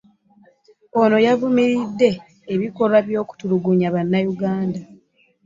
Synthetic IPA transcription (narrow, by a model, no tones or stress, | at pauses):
o̞no̞javumiɾidːe̞ː | βiko̞laβjo̞ːku̥tuluɡuɲaβanːajuɡaːnda